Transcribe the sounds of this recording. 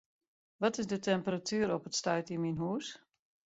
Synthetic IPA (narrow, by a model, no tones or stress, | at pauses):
ʋɔtɪsdətɛmpəratʰyːɾɔpətstœɥtiminɦuːs